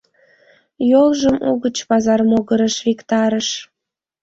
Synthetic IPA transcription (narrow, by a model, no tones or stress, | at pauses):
jolʒəmuɣət͡ɕpɑzɑrmoɣəɾəʃβikt̪ɑɾəʃ